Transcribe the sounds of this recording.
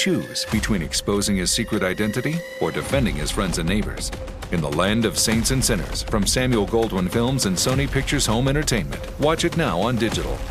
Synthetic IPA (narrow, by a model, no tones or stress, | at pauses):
t͡ʃʰʉz̥b̥ɨtʰw̥ĩnɨkspoʊzɪ̃ŋɨz̥sikɹɨɾaɪdɛ̃ntɨɾi | ə˞dɨfɛ̃ndɪ̰̃ŋɨz̥fɹɛ̃ndzɨ̃nːeɪbə̰˞z̥ | ɨ̃nðə̰læ̃ndʌv̥sẽɪ̃ntsɨ̃nsɪ̃ñə̰˞z̥fɹʌ̃msæ̃mjul̩ˠɡoʊlˠd̚wə̃nfɪlˠmzɨ̃nsõʊ̃nipʰɪk̚t͡ʃə˞z̥hõʊ̃mɛ̃ɾ̃ə˞tʰẽɪ̃nmɨ̰̃nʔwɑt͡ʃɨtⁿnaʊə̃ndɪd͡ʒɨɾl̩ˠ